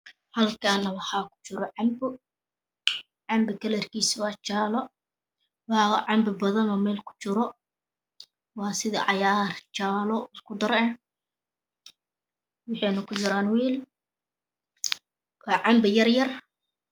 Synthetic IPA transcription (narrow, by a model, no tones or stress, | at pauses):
hɐlkʰaːnɐwɑħɑːkʰʊ̥t͡ʃɪɾɔʕɑmbʊ | ʕɑmbɪkʰɐlɛrkʰiːswɑːt͡ʃaːlɔ | wɑʕɑmbɪbɐðɐnɔmɛːlkʰʊ̥t͡ʃɪɾɔ | wɑːsɪðɐ̰ʕɑjaːrt͡ʃaːlɔɪskʰʊd̪ɐɾɛ | wɑħɑjnɐkʰʊt͡ʃɪɾaːnwiːl | wɑːʕɑmbɪjɐrjɐr